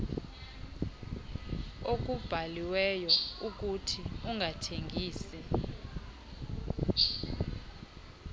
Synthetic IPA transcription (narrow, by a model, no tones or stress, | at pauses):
ok̬ub̥ʱaliwɛjɔuk̬utʰiuŋʱatʰeŋʱiːsɛ